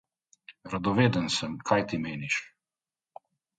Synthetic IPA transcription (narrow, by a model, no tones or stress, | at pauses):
ɾad̪ɔʋeːd̪ənsəmkʰajt̪imeːniʃ